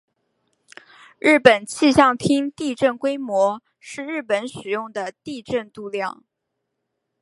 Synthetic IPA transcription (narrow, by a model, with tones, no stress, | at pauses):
ɻɻ̩˥˩pə˨˩nt͡ɕʰi˥˧ɕjɑ˥˩ŋt̪ʰi˥ŋt̪i˥˧ʈ͡ʂə˥˩nkwe˥ɪmwɔ˧˥ | ʂɻ̩˥˧ɻɻ̩˥˩pə˧˥nʂɻ̩˨˩jʊ˥˩ŋd̪ə˩t̪i˥˧ʈ͡ʂə˥˧nt̪u˥˧ljɑ˥˩ŋ